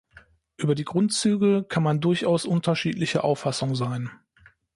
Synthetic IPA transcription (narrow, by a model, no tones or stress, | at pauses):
ʔyːbɐdiːɡʁʊntt͡syːɡəkʰanmandʊɐçʔaʊsʔʊntʰɐʃiːtʰlɪçəʔa̰ʊfasʊŋzaɪn